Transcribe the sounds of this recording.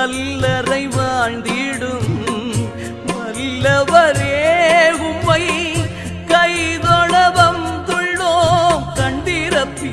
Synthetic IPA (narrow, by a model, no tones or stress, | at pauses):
ɐlːɐɾɐɪʋaːɳɖɪɽɯm | nɐlːɐʋɐɾeːʊmːɐɪ | kɐjðɔɳɐbɐmt̪ʊɭːoːkɐɳɖɪɾɐpːi